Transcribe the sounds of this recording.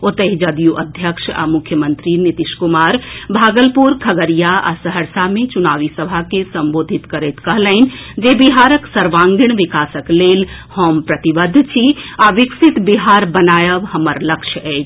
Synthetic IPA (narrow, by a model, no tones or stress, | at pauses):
ot̪əɦid͡ʒəd̪ijuʔəd̪ʱjəkʃa̰mʊkʰjəmənt̪ɾinit̪iʃkumaːɾbʱaːɡəlpuɾkʰəɡəɾijaa̰səɦəɾsamẽt͡ʃunaːʋisəbʱakesəmboːd̪ʱit̪kəɾet̪kəɦləɪnd͡ʒebiɦaɾəksəɾʋãŋɡiɽ̃ʋikaːsəklelhompɾət̪ibəd̪ʱːt͡ʃʰiaʋiksit̪biɦaɾbənaːjəʋhəməɾləkʃʰjəɛː